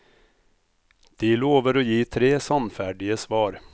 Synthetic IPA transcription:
d̪̥ɪloːvəɾɔjiːt̪ʰɾeːsɑnfæːɖɪəsvɑːɾ

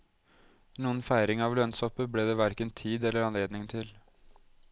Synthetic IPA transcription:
nuːənfæɪɾɪŋɑʋlœnsɔpəbleːd̪ɛːʋæɾkənt̪ʰiːd̪ɛlːəɾɑnleːd̪nɪŋt̪ʰɪl

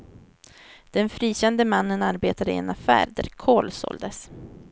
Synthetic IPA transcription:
d̪̥ɛnfɾiːɕɛnd̪əmanːənaɾbeːt̪ad̪əɪḛːnafæ̰ːɾd̪æ̰ɾkʰoːlsɔ̰ld̪əs

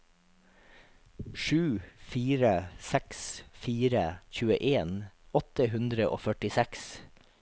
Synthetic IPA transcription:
ʃʉːfiːɾəsɛksfiːɾəçʉːəʔeːnɔt̪əɦʉnd̪ɾəʔo̰ːfœʈɪsæks

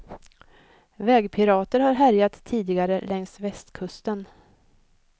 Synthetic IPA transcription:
vɛːɡpʰɪɾɑːt̪əɾhaɾɦæɾjat̪ʰːiːd̪ɪɡaɾəlɛŋsvɛst̪kʰɵst̪ən

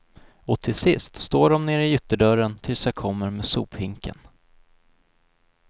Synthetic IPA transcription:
ɔt̪ʰɪlsɪst̪st̪oːɖɔmneːɾɪʏt̪ːəɖœɾənt̪ʰɪlsjakʰɔmːəɾmeːsṵːphɪŋkʰə̰n

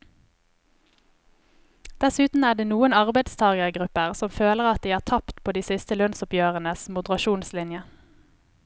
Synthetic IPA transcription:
d̪̥ɛsʉːt̪n̩æːʁdeːnuːənɑʁbæɪd̪st̪ʰɑːɡəʁɡʁʉpəʁsɔmføːləʁɑt̪̚d̪iːæːʁt̪ʰɑpt̪pʰoːd̪iːsɪst̪əlœnsʊpjøːʁənəsmʊd̪əʁɑʃuːnslɪnjə

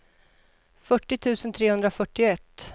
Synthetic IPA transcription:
fœʈːɪt̪ʰʉ̟ːsənt̪ʰɾeːɵnd̪ɾafœʈːɪɛt̪ː

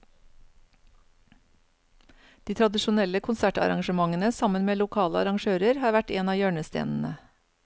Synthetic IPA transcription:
d̪̥iːt̪ʰɾɑd̪ɪʃʊnɛləkʰʊnsæʈɑ̰ɾɑ̰ŋʃəmɑŋənəsɑmənmeːlʊkʰɑːləɑ̰ɾɑŋʃøːɾəɾhɑːɾʋæʈeːnɑːjøːɳəst̪ḛːnn̩ə

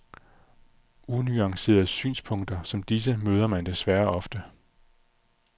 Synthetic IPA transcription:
ʔunyɑ̈ŋse̝̰ːɐð̩ˠsy̰ːnspʰɔ̽ŋ̰d̥ɐsɒ̽md̥is̬əmøːð̞ˠɐmænd̥e̝sʋæɐɒ̽fd̥ə

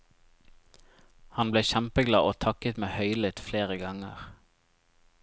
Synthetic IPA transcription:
hɑnbleːçæmpəɡlɑːʔoːt̪ʰɑkət̪meːhœʏlɪt̪fleːʁəɡɑŋə̰ʁ

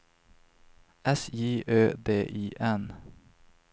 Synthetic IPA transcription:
ɛsiːʔøːd̪eːʔiːʔɛn

